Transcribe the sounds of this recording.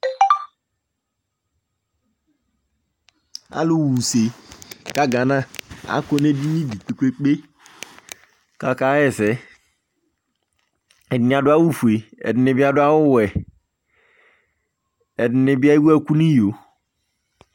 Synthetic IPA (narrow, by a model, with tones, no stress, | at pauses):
a̰˦lu˦wu˨se˨ka˦ɡa˨na˦a̰˨˦ko˦ne˦di˦ni˦di˨k͡pe˨kʷe˦k͡pe˦ | ka˨ka˦ɛ˦˨sɛ˨˦ | ɛ˨dni˨˦a˨dʊ˦a˦wu˦˨fu˨e˨ɛ̰˨dɪ˨ni˨bi˦a˦dʊ˦a˦wu˦˨wɛ˨ | ɛ˨dne˨bi˦a˦i˦ɡɛ˦˨ku˦ni˦jo˨